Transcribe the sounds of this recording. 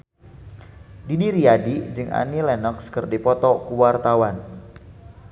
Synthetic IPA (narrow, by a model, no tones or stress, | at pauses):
didiɾiadid͡ʒɨŋʔa̰nilɛnɔkskərdipɔt̪ɔkuwart̪awan